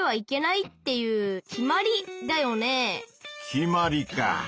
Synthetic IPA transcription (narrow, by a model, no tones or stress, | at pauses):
β̞aike̞nait̪ːe̞jɯ̟ːkʲimaɾʲid̪ajo̞ne̞kʲimaɾʲika̰